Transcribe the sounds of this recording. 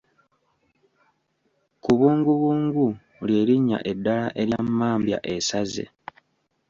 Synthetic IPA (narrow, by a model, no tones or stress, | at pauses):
kuβuːŋɡuβuːŋɡu | lje̞ːɾiɲːa̰ʔe̞dːalaʔe̞ɾjamːaːmbja̰ʔe̞saze̞̰